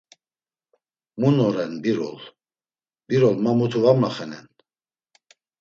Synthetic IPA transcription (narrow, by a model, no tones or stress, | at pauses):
munɔɾɛnbiɾɔ̰l | b̥iɾɔlmamut̪ʰuvamlaχɛnɛn